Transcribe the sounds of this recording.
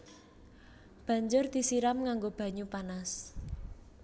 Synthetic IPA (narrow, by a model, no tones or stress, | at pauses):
b̥a̤ɲd͡ʒʊrd̪̥i̤siɾamŋaŋɡob̥a̤ɲupanas